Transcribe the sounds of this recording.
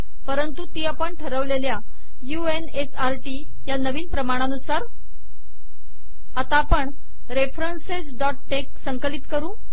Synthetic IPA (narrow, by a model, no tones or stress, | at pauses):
pəɾənt̪ut̪iːapəɳʈʰəɾəʋlelja | juenesaɾʈi | janəʋiːnpɾəmaɽ̃anusaɾ | at̪apəɳ | ɾefɾənsed͡zɖɔʈ̚ːek̚səŋkəlit̪kəɾũː